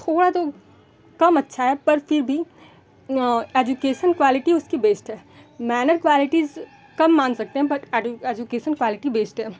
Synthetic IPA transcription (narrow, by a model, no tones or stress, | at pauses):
t̪ʰoːɽat̪o | kɐmɐtːʃʰaɦɛːpɐɾfɪɾbʱi | eːd͡ʒukeːʃənkʋaːlɪʈiʊskibeːsʈɦɛː | mɛːnəɾkʋaːlɪʈiz | kɐmːãːnsɐk̚t̪ẽɦɛ̃bɐʈeeːd͡ʒukeːʃənkʋaːlɪʈibeːsʈɦɛː